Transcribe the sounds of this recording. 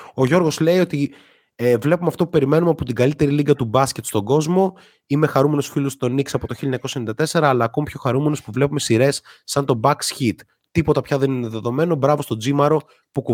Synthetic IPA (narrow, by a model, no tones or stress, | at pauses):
o̞ʝo̞ɾɣo̞zle̞io̞t̪i | vle̞pumeɐft̪o̞pu̥pe̞ɾime̞numeɐpot̪iɡɐlit̪e̞ɾiliɡɐt̪ubɐsce̞t̪st̪o̞ɡo̞zmo̞ | ime̞xɐɾume̞nosfilust̪o̞niksɐpo̞t̪o̞çiliɐɲɐkosenid̪ɐt̪e̞se̞ɾɐːlɐːko̞mipçoxɐɾume̞no̞spuvlepume̞siɾe̞sːɐnt̪o̞bɐksçit̪ː | ipo̞t̪ɐpçɐðe̞nine̞ðe̞ðo̞me̞no̞bɾɐvo̞st̪od͡zimɐɾo̞ | puku